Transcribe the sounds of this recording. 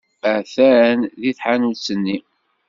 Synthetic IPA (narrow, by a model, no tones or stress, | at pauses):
æθæɾænðiθħanult͡sːənːi